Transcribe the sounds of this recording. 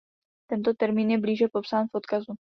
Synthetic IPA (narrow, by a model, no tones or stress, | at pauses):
t̪ɛnt̪o̞t̪ɛɾmiːnjɛbliːʒɛpo̞psaːnfʔo̞t̪kazu